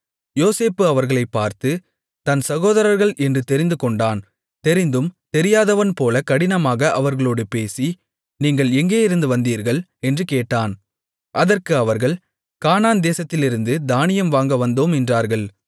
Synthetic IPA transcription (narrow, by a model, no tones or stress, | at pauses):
joːseːpːɯɐʋɐɾɣɐɭɐɪpːaːɾt̪ɯ | t̪ɐnsɐɣoːðɐɾɐɾɣɐɭʔɛndrɯt̪ɛɾɪnd̪ɯkɔɳɖaːn | t̪ɛɾɪnd̪ɯmt̪ɛɾɪjaːðɐʋɐnpoːlɐkɐɽɪnɐmaːɣɐʔɐʋɐɾɣɐɭoːɽɯpeːsi | niːŋɡɐɭɛŋɡeːɪɾɯnd̪ɯʋɐnd̪iːɾɣɐɭɛndrɯkeːʈːaːn | ʔɐðɐrkɯɐʋɐɾɣɐɭ | kaːnaːnd̪eːsɐt̪ːɪlɪɾɯnd̪ɯd̪aːnɪjɐmʋaːŋɡɐʋɐnd̪oːmɛndraːɾɣɐɭ